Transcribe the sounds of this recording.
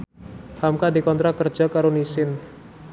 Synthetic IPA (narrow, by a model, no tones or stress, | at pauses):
hamkadikɔnt̪ɾakərd͡ʒ̥akaɾunisɪn